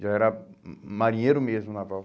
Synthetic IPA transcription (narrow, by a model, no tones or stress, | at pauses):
ʒaɛɾamaɾĩɲeɾumezmunapɔ